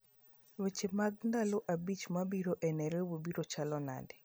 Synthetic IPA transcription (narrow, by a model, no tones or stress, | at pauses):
wet͡ʃɪmaɡndaloʔabit͡ʃmabiɾoʔɛnɛɾewobiɾot͡ʃalɔna̰dɪ